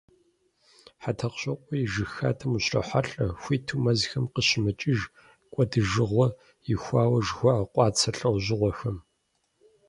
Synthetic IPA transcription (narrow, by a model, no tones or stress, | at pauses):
ħatʰɐqɕʼɐqʷʼɔjiʒɨxaːtʰɐmuɕrɐ̰ħaɬʼɐxʷiːtʰumɐzxɐmqəɕɪmɐt͡ʃʼɪʒ | kʷʼɔdɨʒɨʁʷɔ | jɪxʷɑːwɐʒxʷɔʕɐqʷʼɑːt͡sʰɐɬʼɐwʑɪʁʷɔxɐm